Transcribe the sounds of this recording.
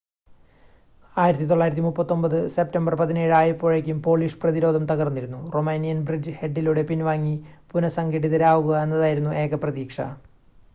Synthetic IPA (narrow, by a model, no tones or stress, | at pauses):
aːjiɾɐt̪ːit̪o̞ɭːaːjiɾɐt̪̬ːimupːɐt̪ːo̞mbɐðɨse̞p̚tɐmbɐrpɐðine̞ːɻɨaːjɐpːoːɻekʲːumpo̞ːɭiʂɨ̥prɐðiɾo̞ːd̪ʱɐmt̪ɐɣɐrunːiɾunːuro̞meːnijɐnbrid͡ʑɨhe̞ɖːiluɽe̞pinʋaːŋːipunɐsɐŋɡeʈːiðɐɾaːʋuɣɐe̞nːɐðaːjiɾunːuʔe̞ːɣɐprɐðiːkʂɐ̰